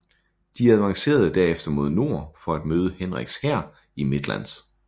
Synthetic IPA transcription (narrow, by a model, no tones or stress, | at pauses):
d̥iæð̞ˠʋɑ̈ŋse̝̰ːɐðˠəd̥æɐ̰efd̥ɐmo̝ð̞̰ˠno̝ɐ̰fɒ̽æd̥møːð̞ˠəhenʁaɡ̥shæɐ̰ | ime̝d̥læ̰ns